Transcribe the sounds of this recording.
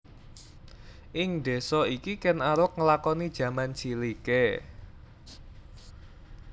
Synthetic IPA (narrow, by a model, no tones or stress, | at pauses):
ʔɪŋd̪e̤sɔikikɛnaɾʊk̚ŋəlakɔnid̥ʒ̥ä̤mant͡ʃilike